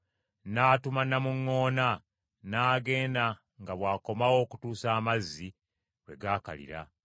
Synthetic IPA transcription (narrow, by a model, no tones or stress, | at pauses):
naːtumanːamuŋːo̞ːna | naːɡe̞ːna | ŋɡaβwaːko̞mawo̞ːku̥tuːsaːmazːi | we̞̰ɡaːka̰lḭɾa̰